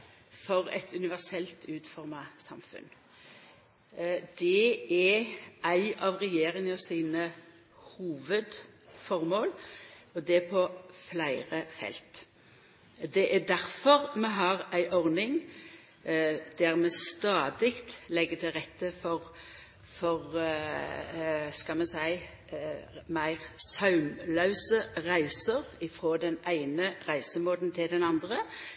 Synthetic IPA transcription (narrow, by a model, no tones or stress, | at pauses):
fɔʁɛ̰t̪ʰʉnɪʋæʁsɛlt̪ʰʉːt̪fɔʁmɑsɑmfʉ̰n | d̪̥ɛæʔæɪɑʋʁɛjeːʁɪŋəɔsiːnə | huːʋəd̪fɔʁmoːlɔd̪ɛpʰɔflæɪʁəfɛ̰lt̪ | d̪ɛʔæd̪æʁfɔʁmɛɦɑʁæɪʔɔʁnɪŋ | d̪̥æʁmɛst̪ɑːd̪ɪkt̪lɛɡət̪ʰɪlʁɛt̪ːəfɔʁ | fɔʁ | skɑlmɛnsæɪ | mæɪʁsɑʉmlɑʉsəʁæɪsəʁɪfʁoːd̪ɛnæɪnəʁæɪsəmoːd̪nt̪ʰɪld̪ɛnɑnd̪ʁə